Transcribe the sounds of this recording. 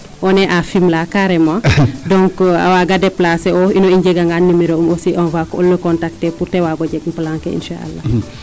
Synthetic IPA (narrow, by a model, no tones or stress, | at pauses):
ʔɔnɛʔafimlakaɾɛmãdɔŋka̰waɡadɛplasɛɔinɔiɲɟɛɡaŋɡanːimiɾoumɔsiʔɔnvakɔɔ̰lːəkɔntak̚tɛpuɾtɛwaːɡɔɟɛɡmpəlaŋkɛḭnʃa̰ʔa̰lːa̰